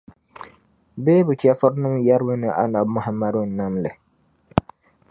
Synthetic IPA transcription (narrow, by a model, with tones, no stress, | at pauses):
beː˦bʊ˨t͡ʃɛ˦fʊ˦ɾnʊ˦mja˦ɾbʊ˦nɨ˨ʔa̰˦na˨bmʊ˦ha˨mːa˦dʊ˦˨n˨na˦mlɪ˨